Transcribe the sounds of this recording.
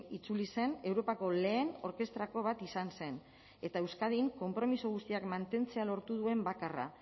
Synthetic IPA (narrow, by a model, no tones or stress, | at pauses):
it͡sulise̞ne̞wɾo̞pako̞le̞ːno̞ɾke̞st̪ɾako̞β̞at̪isanse̞n | e̞t̪aewskað̞iŋko̞mpɾo̞misoɣ̞ust̪iakmant̪e̞nt͡se̞alo̞ɾt̪uð̞ue̞mbakara̰